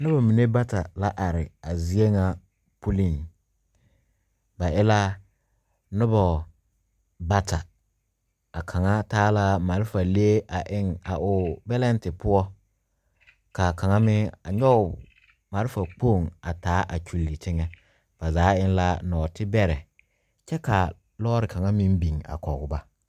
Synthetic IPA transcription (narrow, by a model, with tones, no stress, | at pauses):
nʊ˦bɔ˨mi˨ne˦ba˦ta˨la˦ʔa˨ɾɪ˨a˨zi˦e˦ŋa˨ | pu˦li˦˨n | ba˨ɪ˦la˦ | nʊ˦bɔ˨ | ba˦ta˨ | a˨kʰa˨ŋa˦taː˦la˦ma˨ɾɪ˦fa˨le˦e˦ʔa˨ʔɪ˦ŋa˨ʔʊ˨bɛ˦lɛ˦n˦tɪ˨pʊ˦ɔ˦ | ka˨ka˨ŋa˦mɪ˦a˨ɲɔ˦ʊ˨ | ma˨ɾɪ˦fa˨k͡po˦˨ŋa˨taː˨˦ʔa˨t͡ʃu˨lːi˨tɪ˦ŋɛ˦ | b̥a˨zaː˨˦ɪ˦n˦la˦nɔː˨tʰɪ˦bɛ˦ɾɛ˨ | t͡ʃɛ˦ka˨ | lɔː˦ɾɪ˨ka˨ŋa˦mɪ̃˦n˦bi˨ŋa̰˨kɔ˨ɡʊ˨ba˦